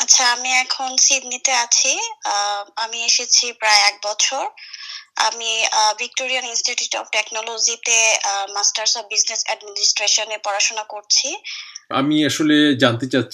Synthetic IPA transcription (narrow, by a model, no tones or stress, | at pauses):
atːɕʰaamiɛkʰonsid̪nit̪eat͡ɕʰi | amieʃet͡ɕʰipɾaeɛk̚bɔt͡ɕʰoɾ | a̰mibʱik̚ʈoɾijaninsʈiʈjuʈɔ̰pʈeknɔlod͡ʑit̪emasʈaɾsɔbbiznesɛɖminisʈɾeʃonepɔɾaʃonakoɾt͡ɕʰia̰miaʃoled͡ʑant̪et͡ɕatː